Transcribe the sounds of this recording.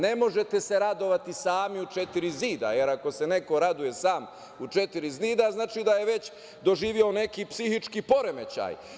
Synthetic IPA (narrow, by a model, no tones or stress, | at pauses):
ne̞mo̞ʒe̞t̪e̞se̞ɾad̪o̞ʋat̪isaːmiut͡ʃe̞t̪iɾiziːd̪a̰je̞ɾako̞se̞ne̞ko̞ɾad̪uje̞saːm | ut͡ʃe̞t̪iɾizniːd̪aznaːt͡ʃid̪aje̞ʋe̞t͡ɕ | d̪o̞ʒiːʋio̞ne̞kipsihit͡ʃkipo̞ɾe̞me̞t͡ɕa̰ːj